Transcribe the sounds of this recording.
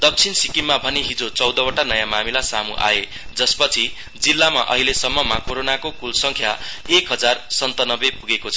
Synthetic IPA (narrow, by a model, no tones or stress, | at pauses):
d̪ʌk̚t͡sʰinsikimːabʱʌneɦid͡zot͡sʌwd̪ʌwʌʈanʌjamamilasamṵʔa̰e | d͡zʌspʌt͡sʰi | d͡zilːama̰ʔʌ̰ɦilesʌmːʌmakoɾonakokulsʌŋkʰja̰ekɦʌd͡zarsʌnt̪anʌbepuɡekot͡sʰʌ̥